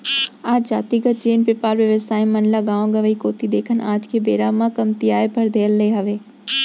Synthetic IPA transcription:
aːd͡ʑzaːt̪iːɡət̪̚t͡ʃeːnpepaːɾʋjɐʋəsaːɪ̃mɐnlaɡãːʋõɡɐʋəikoːt̪id̪eːkʰənʔaːd͡ʒkʰeːbeːɾamãkɐmt̪iaːepʰɐɾd̪ʱeːəlːɐeɦɐʋeː

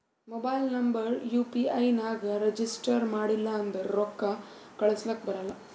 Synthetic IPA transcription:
moːbɐjlnɐmbɐɾjuːpiɐjnaːɡɐɾed͡ʒisʈɐɾmaːɽilːɐːnd̪ɐɾɔkːɐ | kɐɭɐslɐkːbɐɾɐlːɐ

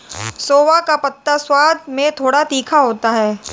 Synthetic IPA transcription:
soːʋakapɐt̪ːaswaːd̪mẽt̪ʰoːɽat̪iːkʰaɦoːt̪aɦɛː

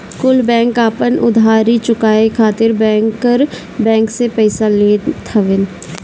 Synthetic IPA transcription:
kʊlbɛ̃ːŋkaːpənʔʊ̰d̪ʱaːɾit͡ʃʊkaːekʰaːt̪ɪɾbɛ̃ːŋkːəɾ | bɛ̃ːŋksepɛɪsaleːt̪ʰəʋɪn

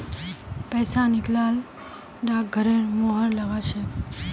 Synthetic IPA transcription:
pɛːsanɪklaːl | ɖak̚ɡʱəɾemoɦəɾləʋat͡ʃʰe

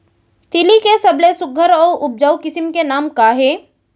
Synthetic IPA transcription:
t̪ɪlikesɐblesʊɡʱəɾɔːɾʊp̚d͡ʒəwkɪsɪmkenaːmkaɦeː

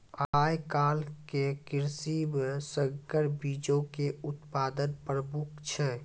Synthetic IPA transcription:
ajkalkekiɾsibsəkəɾbid͡ʒõkeut̪pad̪ənpəɾmukt͡ʃʰɛ

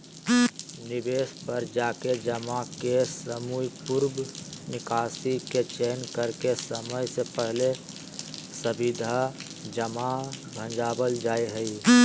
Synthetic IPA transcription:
nɪbeːspəɾd͡ʒaːked͡ʒəmakesəmujpuɾbnɪkaːsiket͡ʃenkəɾkesəməjsepəɦle | səbɪd̪ʱa | d͡ʒəmabʱə̃nd͡ʒaːbəld͡ʒaːiɦəi

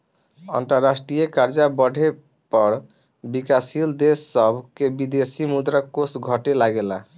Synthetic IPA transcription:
ə̰nt̪əɾːasʈɾijekaɾd͡ʒabəɽʱe | pəɾ | bikasild̪esːəbʱkebid̪esimud̪ɾakːosɡʱəʈelaɡela

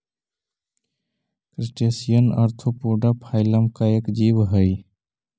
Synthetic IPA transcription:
kɾisʈesijənə̰ɾt̪ʰupuɖapʰaɪləmkaekd͡ʒibɦəj

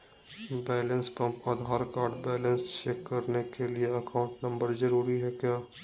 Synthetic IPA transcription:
bɛːlə̃nspɐ̃mpaːd̪ʱɦaːɾkaːɾɖbɛːlə̃nst͡ʃeːkːɐɾnekelieɐkaːʊ̃ɳʈnɐ̃mbəɾzɐɾuːɾiɦɛkjaː

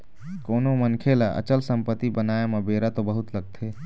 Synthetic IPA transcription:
koːnomənkʰelaʔə̰t͡ʃəlsə̃mpət̪ːibənaːemãbeːɾat̪obəɦʊt̪ləɡ̚t̪ʰeː

